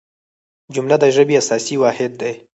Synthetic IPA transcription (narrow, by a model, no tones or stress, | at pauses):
d͡ʒʊmlad̪əʒəbeasɑsiwɑhɪd̪̚ːaj